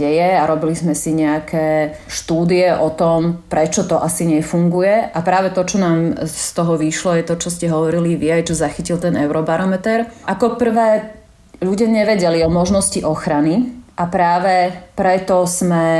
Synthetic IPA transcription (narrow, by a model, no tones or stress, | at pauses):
ɛjɛaɾɔbilizmɛsiɲɛakʰɛː | ʃt̪uːd̪iɛʔɔt̪ɔmpɾɛt͡ʃɔt̪ɔʔasiɲɛfuŋɡujɛʔapɾaːʋɛt̪ɔt͡ʃɔnaːmst̪ɔɦɔʋiʃlɔjɛt̪ɔt͡ʃɔscɛɦɔʋɔɾiliʋiajt͡ʃɔzaxicilt̪ɛnɛʊɾɔbaɾɔmɛt̪ɛɾʔakɔpr̩ʋɛː | ʎuɟɪaɲɛʋɛɟɛliɔmɔʒnɔsciʔɔxɾaniʔapɾaːʋɛpɾɛt̪ɔsmɛ